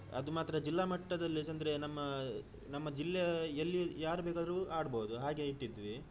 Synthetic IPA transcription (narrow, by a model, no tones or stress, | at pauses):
ɐ̰d̪umaːt̪ɾɐd͡ʒilːaːmɐʈːɐd̪ɐlːid͡ʒɐnd̪ɾe̞nɐmːɐ | nɐmːɐd͡ʒilːɛelːijaːɾubeːkaːd̪ɾuaːɽboːud̪uɦaːɡe̞iʈːid̪ʋi